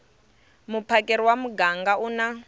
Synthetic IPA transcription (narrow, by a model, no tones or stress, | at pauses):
mupʰakɛɾiwamuɡaŋɡauna